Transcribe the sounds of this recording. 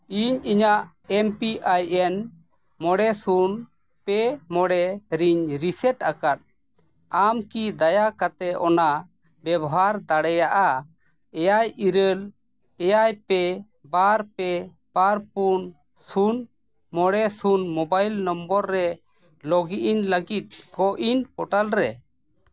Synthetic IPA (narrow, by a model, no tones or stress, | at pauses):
iɲiɲaʔ | ɛmpiʔajɛn | mɔɽɛsun | pɛmɔɽɛɾiɲɾisɛʈakaʈ̚ | amkid̪ajakat̪ɛʔɔna | bɛbɔɦaɾd̪aɽɛjaʔa | ɛjajiɾəl | ɛjajpɛ | baɾpɛ | baɾpun | sun | mɔɽɛsunmɔbajlnɔmbɔɾːɛ | lɔɡiʔiɲləɡit̪̚kɔʔiɲpɔʈalɾɛ